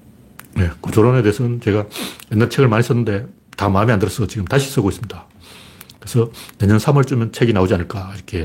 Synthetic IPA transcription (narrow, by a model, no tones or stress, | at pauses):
ne̞kot͡ɕoɾone̞de̞ːsʰʌnt͡ɕe̞ɡajʌnːaɾt͡ɕʰe̞ɡɯɭmaɲis͈ʌnːɯnde̞ | tamamiandɯɾʌs͈ʰʌt͡ɕiɡɯmtaɕʰis͈ʌɡois͈ɯmɲida | kɯɾesʰʌne̞ɲʌnsʰamʌɭt͡ɕ͈umjʌnt͡ɕʰeɡinaod͡ʑianɯɭk͈aiɾʌkʰe̞